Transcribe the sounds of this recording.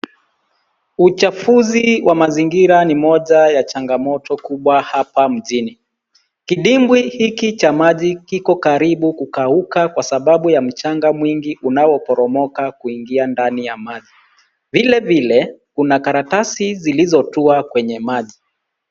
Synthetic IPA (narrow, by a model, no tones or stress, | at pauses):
ut͡ʃafuziwʔamaziŋɡiɾanimɔʄajat͡ʃaŋɡamɔtʰɔkuɓwahapam̩ʄini | kiɗimbwihikit͡ʃamaʄikikɔkaɾiɓukukaukakwasaɓaɓujam̩t͡ʃaŋɡamwiŋɡiʔunawɔpɔɾɔmɔkakuiŋɡiandanijamaʄi | vilɛvilɛkunakaɾatasizilizɔtuakwɛɲɛmaʄi